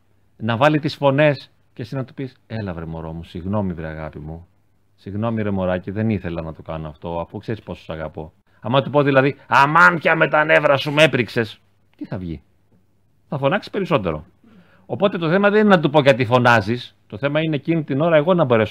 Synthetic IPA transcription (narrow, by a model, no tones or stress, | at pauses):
nɐvɐlit̪isfo̞ne̞s | cesinɐt̪u̥pise̞lɐvɾemo̞ɾo̞musiɣno̞mivɾiɐ̰ɣɐ̰pimu | siɣno̞miɾe̞mo̞ɾɐciðe̞niθe̞lɐnɐt̪okɐ̰noɐft̪o̞ɐfukseɾispo̞so̥sɐɣɐpo̞̰ | ɐmɐt̪upo̞ðilɐðiɐmɐncɐme̞t̪ɐne̞vɾɐsume̞pɾikse̞s | t̪iθɐvʝḭ | θɐfo̞nɐksi̥pe̞ɾiso̞t̪e̞ɾo̞̰ | opo̞t̪e̞t̪o̞θe̞mɐðe̞ninenɐt̪upoʝɐt̪̬ifo̞nɐzist̪oθe̞mɐineːcinit̪ino̞ɾɐe̞ɣo̞nɐbo̞ɾe̞s